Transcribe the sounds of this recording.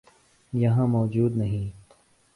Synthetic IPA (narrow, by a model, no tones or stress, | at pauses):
jɐɦãːmɔːd͡ʒuːd̪nɐɦĩː